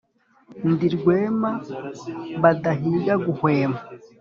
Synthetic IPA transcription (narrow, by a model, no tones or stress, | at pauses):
ndiɾɡweːma | βadaɦiːɡaɡuhweːma